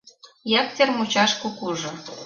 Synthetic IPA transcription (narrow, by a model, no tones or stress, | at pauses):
jɑk̚t̪ʲermut͡ɕɑʃkukuʒŏ